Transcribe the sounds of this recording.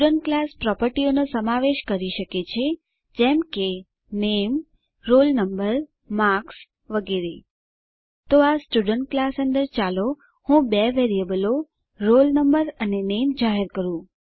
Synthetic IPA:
uɖəɳʈ̚klaspɾɔpəɾʈionosəmaʋeʃkəɾiʃəket͡ʃʰe | d͡ʒɛmke | nem | ɾolnəmbəɾ | maks | ʋəɡeɾe | t̪oasʈuɖəɳʈ̚klasənd̪əɾt͡ʃalo | hũbɛʋeɾijəbəlo | ɾolnəmbəɾənenemd͡ʒaɦeɾkəɾũ

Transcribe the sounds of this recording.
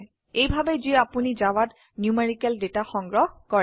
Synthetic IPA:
ejbʱabɛziapunizawat | njumeɹikɛldetaxɔŋɡɹɔhkɔɹɛ

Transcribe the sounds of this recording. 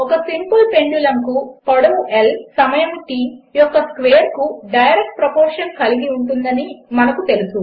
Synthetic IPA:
ɔkɐsimpulpe̞ɳɖulɐŋkupoɽoːelsɐmɐjɐmʈiːjɔkːɐskʋeːɐɾkuɖɐjɾek̚ʈ̚pɾɐpoːɾʂɐnkɐliɡiuɳʈund̪ɐnimɐnɐkut̪e̞lusu

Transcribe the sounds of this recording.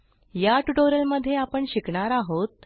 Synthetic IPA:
jaʈuʈoɾəlməd̪ʱːjeapəɳɕikɳaɾaɦot̪̚

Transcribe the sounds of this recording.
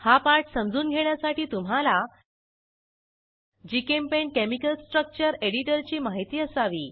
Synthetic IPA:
hapaɾʈsəmd͡zuːnɡʱeɳjasaʈiːt̪um̤ala | d͡ʑikempeɳ̚kemikəlsʈɾək̚t͡ɕəɾeɽiʈəɾt͡ɕiːmaɦit̪iːəsaʋḭː

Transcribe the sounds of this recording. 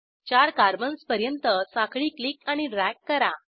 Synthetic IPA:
t͡ɕaɾkaɾbənspəɾjənt̪əsãkʰɭiːklikaɽ̃iɖɾækːəɾa

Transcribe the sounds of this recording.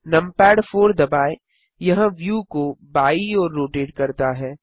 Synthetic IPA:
nɐ̃mpɛːɖfʰoːɾd̪ɐbaːe | jɐɦə̃ʋjuːkobaːiɔːɾːoːʈeːɖkɐɾt̪aɦɛː

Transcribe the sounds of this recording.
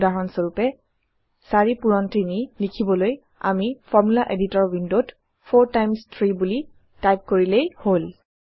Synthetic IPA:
daɹɔnsoɹupɛ | saɹipuɹɔntinilikʰibɔloj | a̰mifʰɔɹmulaʔeditɔɹwindot | fʰoɹtajmstʰɹibuli | tajp̚koɹilejhol

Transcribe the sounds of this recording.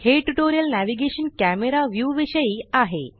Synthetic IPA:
heːʈːuʈoːɾijɐlnaːʋiɡeːʂɐnkaːmeɾaʋjuːʋiʂɐjiaːɦḛ

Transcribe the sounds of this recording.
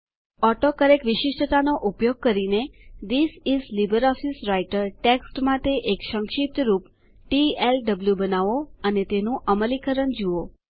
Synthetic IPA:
ɔʈokəɾekʋɪʃɪʃʈət̪anoʔupjoɡ̚kəɾined̪isizlibəɾɔfisɾajʈəɾʈeksʈmãt̪eʔekʃəŋkʃip̚t̪ɾup | ʈielɖəbljubənaʋoənet̪enũʔəməlikəɾəɳd͡ʒuo

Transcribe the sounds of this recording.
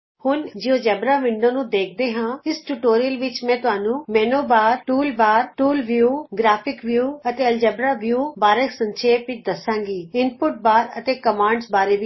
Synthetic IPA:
hʊnd͡ʒɪoːd͡ʒɛːbɾaːʋɪɳɖõːnũːd̪eːk̚ʰd̪eːɦãːɪsʈuːʈoːɾiəlʋɪt͡ʃmɛ̃ːt̪ʊɦaːnũːmɛːnoːbaːɾʈuːlbaːɾʈuːlʋjuːɡɾaːpʰɪkʋjuːət̪eːəld͡ʒɛːbɾaːʋjuːbaːɾəksə̃nʃʰeːpɪt͡ʃd̪əsãːŋɡiːɪnpʊʈ̚baːɾə̰t̪eːkəmãːɳɖsbaːɾeːʋi

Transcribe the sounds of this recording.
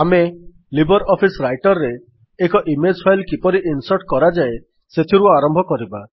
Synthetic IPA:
ame | libɔɾɔpʰisɾajʈɔɾːeː | kɔʔimed͡ʒpʰajlkipɔɾiʔinsɔɾʈkɔɾad͡ʒae | set̪ʰiɾuaɾɔmbʱɔkɔɾiba

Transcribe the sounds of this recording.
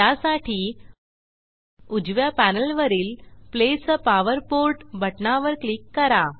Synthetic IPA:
asaʈʰiː | ud͡ʑʋjapænəlʋəɾiːlplespaʋəɾpoɾʈbʱəʈnaʋəɾklikːəɾa

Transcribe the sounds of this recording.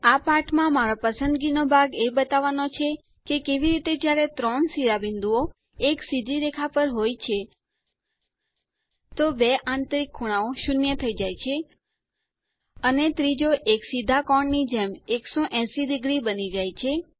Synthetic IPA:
apaɾʈʰmãmaɾopəsənd̪ɡinobʱaɡebət̪aʋanot͡ʃʰe | kekeʋiɾit̪ed͡ʒjaɾet̪ɾɔɳsiɾabɪnd̪uo | eksid̪ʱiɾekʰapəɾɦojt͡ʃʰe | t̪obeʔãnt̪ɾikʰːuɽ̃aoʃunjət̪ʰəid͡ʒajt͡ʃʰe | ənet̪ɾid͡ʒoʔeksid̪ʱakɔɳnid͡ʒɛmeksoʔɛ̃siɖɪɡɾibənid͡ʒajt͡ʃʰe

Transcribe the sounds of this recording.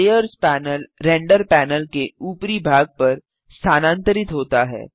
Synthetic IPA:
eːjəɾspɛːnəlɾɛ̃ːɳɖəɾpɛːnəlkeuːpɾibʱaːɡ̚pɐɾ | st̪ʰaːnãːnt̪əɾɪt̪ɦoːt̪aɦɛ̰ː

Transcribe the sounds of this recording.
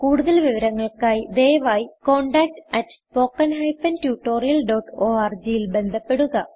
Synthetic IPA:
kuːɽuðɐlʋiʋɐɾɐŋːɐɭkaːjd̪eːjʋaːjiko̞ːɳɖaːk̚ʈɐtːspo̞ːkːɐnɦɐjpɐntjuːʈːo̞ːrijɐlɖo̞ːʈoːaːrd͡ʑijilbe̞nd̪ʱɐpːe̞ɽuɣɐ

